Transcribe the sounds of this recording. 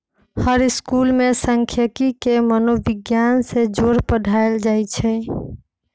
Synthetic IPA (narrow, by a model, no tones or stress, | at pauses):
həɾiskulmesəŋkʰjəkikemənobiɡjansed͡ʒoɾpəɖʱaeld͡ʒajt͡ʃʰɛ